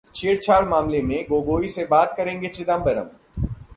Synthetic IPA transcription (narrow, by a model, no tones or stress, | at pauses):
t͡ʃʰeːɽt͡ʃʰaːɽmaːmlemẽɡoːɡoːisebaːt̪kɐɾẽːŋɡet͡ʃɪd̪ãːmbɐɾə̰m